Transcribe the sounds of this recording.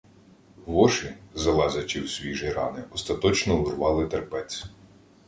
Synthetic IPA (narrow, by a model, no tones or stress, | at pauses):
ʋɔʃɪzɐlˠɛzɐt͡ʃʲiwsʲʋʲiʒɪɾɑ̰nɪɔst̪ɐt̪ɔt͡ʃnɔʊrʋɑlˠɪt̪erpɛt͡sʲ